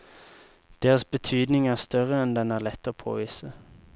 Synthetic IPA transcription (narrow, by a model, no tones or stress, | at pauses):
d̪̥eːʁəsbət̪ʰyːd̪nɪŋæːʁst̪œʁəɛnd̪ɛnæːʁlɛt̪ːəoːpʰo̰ːʋiːsə